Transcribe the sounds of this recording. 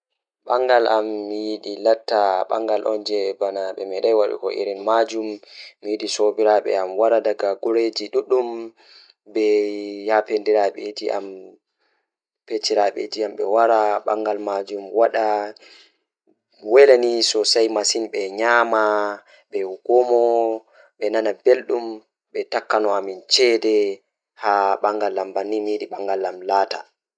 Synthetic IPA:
ɓaŋɡalʔamːijiɗilatːaɓa̰ŋɡalʔɔ̰nd͡ʒɛbanaɓɛmɛɗajwaɗṵkɔʔḭɾinmad͡ʒumːijiɗisobiɾaɓɛ̰amwaɾadaɡaɡɔɾed͡ʒiɗuɗum | bɛjapendiɾaɓed͡ʒiʔa̰m | pet͡ʃːiɾaɓḛd͡ʒiamɓɛwaɾaɓaŋɡalmad͡ʒumwaɗa | wɛlanisɔsajmasinɓɛɲaːma | ɓɛɡ̥ɔmɔ | ɓɛnanabelɗum | ɓɛtakːanɔamint͡ʃɛdɛ | haɓaŋɡalːambanːimiɗiɓaŋɡalːamlaːta̰

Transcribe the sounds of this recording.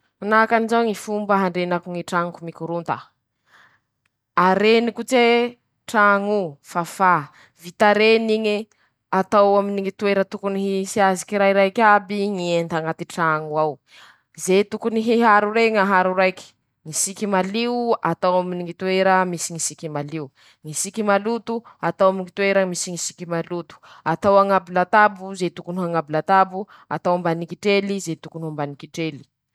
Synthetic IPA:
anakanizawŋifumbəɦaɳɖ͡ʐenakuŋiʈ͡ʂaŋkumikuɾunt̪a | aɾenikut͡se | ʈ͡ʂaŋufafa | vit̪aɾeniŋi | at̪awaminiŋit̪ueɾət̪ukuniɦisiazi̥kiɾajɾajkʲabiŋient̪aŋat̪iʈ͡ʂaŋuaw | zet̪ukuniɦiɦaɾuɾeŋaɦaɾuɾajki̥ | ŋisikimaliuat̪awaminiŋit̪uweɾəmisiŋisikimaliu | ŋisikimalut̪uat̪awamiŋit̪ueɾəmisiŋisi̥kimalut̪u̥at̪awaŋabilat̪abuzet̪ukunuɦaŋabilat̪abu | at̪awambanikiʈ͡ʂelizet̪ukunumbanikiʈ͡ʂeli̥

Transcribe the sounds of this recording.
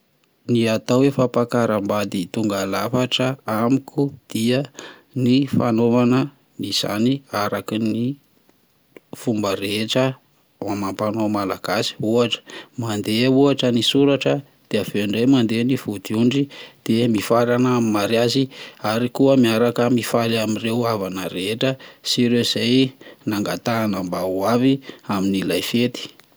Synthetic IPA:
niat̪awefapakaɾəmbad̪it̪uŋɡalafaʈ͡ʂəamikʰud̪̥iə | nifanovanə | niz̥a̰niaɾakini | fumbəɾeʈ͡ʂə | mamampanomalaɡ̥asi̥uaʈ͡ʂə̥mand̪euaʈ͡ʂənisuɾaʈ͡ʂə | d̪̥eaveɳɖ͡ʐejmand̪eniv̥ud̪iuɳɖ͡ʐid̪̥emifaɾanamimaɾjaziaɾikuəmiaɾakəmifalamirewavanəɾeʈ͡ʂəsiɾewiz̥ajnaŋɡa̰t̪anambauaviaminilajfet̪i̥

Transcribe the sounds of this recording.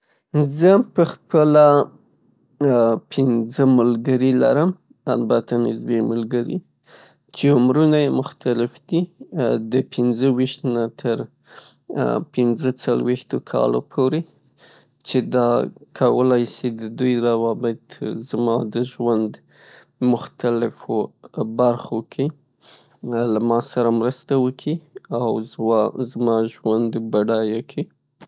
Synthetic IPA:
zəpəxpəla | pʰɪnzəməlɡəɾila̰ɾəm | albat̪ʰanɪzd̪eməlɡəɾḭ | t͡ʃeʊmɾunajemʊxt̪alɪfd̪id̪əpʰɪnzəwiʃt̪nat̪ʰəɾ | pɪnzət͡salwext̪okʰɑ̰lo̰pʰoɾe | t͡ʃed̪ɑkʰawəlajsid̪əd̪ujɾawɑbɪt̪zmɑd̪əʒwand̪ | mʊxt̪alɪfobaɾxokʰe | lamɑsaɾamɾəst̪awəkʰiawzzmɑʒwand̪baɖɑjakʰi

